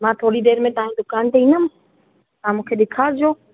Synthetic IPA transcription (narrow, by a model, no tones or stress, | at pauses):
mãːt̪ʰoːɽiɗeːɾmẽt̪ɐɦaĩd̪ʊkaːnt̪eĩːnəm | t̪ɐɦãmũːkʰeɗɪkʰaːɾd͡ʑoː